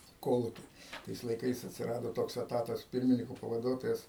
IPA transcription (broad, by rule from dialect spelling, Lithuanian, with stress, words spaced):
ɪ ˈkoːlˠʊkʲɪ ˈtɐɪs lˠɐɪˈkɐɪs ɐtʲsʲɪˈrɑːdoː ˈtoːks ɛˈtɑːtɐs ˈpʲɪrʲmʲɪnʲɪkoː pɐʋɐˈduɔtoːjɛs